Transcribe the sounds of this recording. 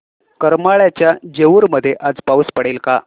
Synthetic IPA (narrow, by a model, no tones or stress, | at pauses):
kəɾmaɭjat͡ɕjad͡ʑeʋuːɾməd̪ʱːjeʔad͡zpauspəɽelka̰